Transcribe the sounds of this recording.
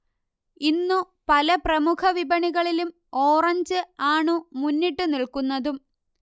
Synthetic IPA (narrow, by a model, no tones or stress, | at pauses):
inːu | pɐlɐprɐmukʰɐʋibɐɳiɣɐɭilum | oːrɐɲd͡ʑɨaːɳɨmunːiʈːɨniɭkunːɐðum